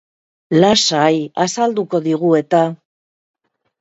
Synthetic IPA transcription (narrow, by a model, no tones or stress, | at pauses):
lasajasald̪uko̞ðiɣue̞t̪a